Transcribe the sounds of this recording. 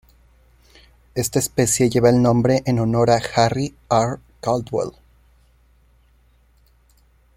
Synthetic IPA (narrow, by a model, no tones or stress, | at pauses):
e̞st̪aespe̞sje̞ʝe̞βaelnõ̞mbɾe̞ʔeno̞no̞ɾaxari | aɾ | kald̪wḛl